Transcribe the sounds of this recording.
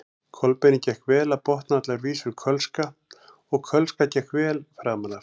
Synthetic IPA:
kʰɔlpɛnɪcɛhkvɛːlapɔht̪nat̪laɾviːsʏɾkʰœlska | ɔɣkʰœlskacɛhkvɛːlfɾaːmalaɾ̥

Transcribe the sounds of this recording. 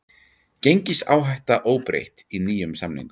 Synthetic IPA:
cejɲcɪsa̰ːwɦajht̪aʔoːwpɾḛjht̪iniːjʏmsamnḭ̃ŋkʏ

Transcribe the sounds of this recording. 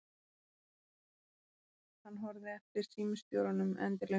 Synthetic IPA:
hanːɦɔɾðɪɛft̪ɪɾ̥siːmʏst̪jowɾanʏmɛ̰nt̪ɪɾle

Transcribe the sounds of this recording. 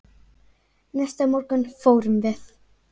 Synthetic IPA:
nɛst̪amɔrɡənfowrmvɪθ

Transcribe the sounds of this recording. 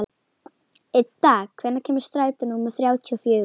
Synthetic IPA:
ɪt̪aːkʰvɛnacʰɛːmɪ̥st̪ɾaːjt̪ʏnuːmaθɾjaːwt̪ʰiɔfjʏː

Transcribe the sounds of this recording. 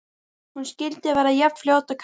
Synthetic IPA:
hunscɪlt̪ɪvɛːɾajɛp̪fljoːwt̪akʰ

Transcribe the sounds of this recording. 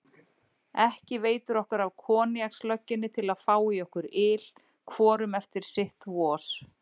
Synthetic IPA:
ɛhcɪveːjt̪ʏɾɔhkaɾavkʰɔːnjakslœcːɪnːɪt̪ʰɪlaðfaːwiɔhkʏɾɪl | kʰvɔːɾʏmɛft̪ɪɾ̥sɪht̪vɔːs

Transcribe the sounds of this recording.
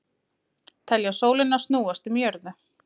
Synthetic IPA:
t̪ʰɛljasoːwlɪnːasnuːast̪ʏmjœɾðʏ

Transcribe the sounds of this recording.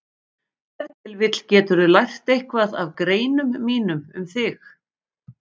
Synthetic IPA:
θɛt̪ɪlvɪt̪l̥cɛːt̪ʏɾʏlajr̥t̪ejhkvaða̰vkɾeːjnʏmːiːnʏmʏmθɪx

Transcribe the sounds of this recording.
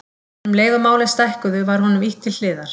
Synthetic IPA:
mleːjɣʏmaːwlɪst̪ajhkʏðʏvaɾ̥hɔnʏmiht̪ʰɪll̥ɪːðaɾ̥

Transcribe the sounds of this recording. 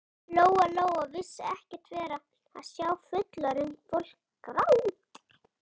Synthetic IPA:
loːwaloːwavɪsːaɛhcɪ̥t̪vɛːɾa | a̰ðsjaːwfʏt̪laɾɪnfowl̥kː | ɾawt̪

